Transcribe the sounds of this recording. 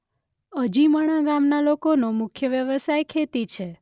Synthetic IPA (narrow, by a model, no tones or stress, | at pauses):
əd͡ʒiməɽ̃aɡamnalokonomʊkʰjəʋjəʋəsajkʰet̪it͡ʃʰe